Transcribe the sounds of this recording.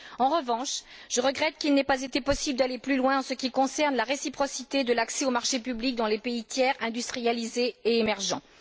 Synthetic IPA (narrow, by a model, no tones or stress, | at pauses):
ɑ̃ʁəvɑ̃ʃʒ̥əʁəɡʁɛt̪kʲilnɛpazet̪epɔsibləd̪aleplylwɛ̃ɑ̃səkʲikɔ̃sɛʁnlaʁesipχɔsit̪ed̪əlaksɛomaʁʃepyblik̚d̪ɑ̃lepeit̪jɛʁɛ̃d̪yst̪χijalizeːmɛʁʒɑ̰̃